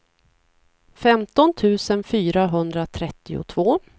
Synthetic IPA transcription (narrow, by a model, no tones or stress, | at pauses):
fɛmt̪ɔnt̪ʰʉ̟ːsənfyːɾaɦɵnd̪ɾat̪ʰɾɛt̪ːɪʊ̰t̪ʰvoː